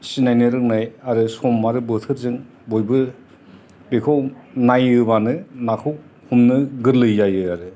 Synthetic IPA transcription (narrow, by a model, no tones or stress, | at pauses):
sinajnɯɾɯk̚najaɾɯsɔmːaɾɯbɯtʰɯɾzɯŋ | bojbɯ | b̥ekʰownajɯbanɯnakʰɯw | humnɯɡɯɾlɯjzajɯaɾɯ